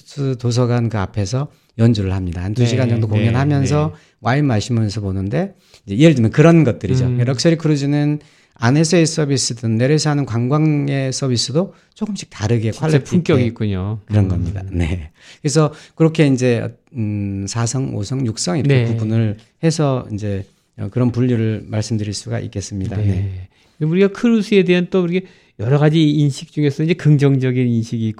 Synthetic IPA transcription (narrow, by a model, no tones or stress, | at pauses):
sʰɯtos̬ʰʌɡankɯa̰pʰe̞s̬ʰʌ | jʌnd͡ʑuɾɯɭhamɲidaantuɕ̬ʰiɡand͡ʑʌŋdokoŋjʌnhamjʌns̬ʰʌ | waimaɭɕ͈imɯsʰʌbonɯnde̞ | ind͡ʑe̞ieɭd͡ʑɯmjʌnkɯɾʌnɡʌt̚t͈ɯɾid͡ʑojʌɾʌk̚s͈ʌɾikɯɾɯd͡ʑinɯn | ane̞sʰʌes͈ʌbis͈ɯdɯnːe̞ɾesʰʌɦanɯnkwaŋɡwaŋe̞s͈ʰʌbʱis͈ɯdo | t͡ɕokɯmɕʰi̥k̚taɾɯɡe̞kʰaɭːepuuŋk͈jʌɡik͈uɲokɯɾʌnɡʌmɲida̰ne̞ | kɯɾes̬ʰʌkɯɾʌkʰe̞ind͡ʑe̞ʌ̰ | sʰasʰʌŋo̰sʰʌŋjuk̚s͈ʌŋiepubunɯɭ | he̞sʰʌind͡ʑe̞ | ʌ̰kɯɾʌnpuʎːiɾɯɭmaɭs͈ɯmdɯɾiɭs͈uɡa̰ʔḭk͈e̞s͈ɯmɲidane̞ | kɯnemuɾiɡakʰɯɾusʰɯe̞deɦant͈ouɾikʰe | jʌɾʌɣad͡ʑiːnɕʰik̚t͡ɕ͈uŋe̞sʰʌind͡ʑe̞kɯŋd͡ʑʌŋd͡ʑʌɡininɕʰiɡiːk͈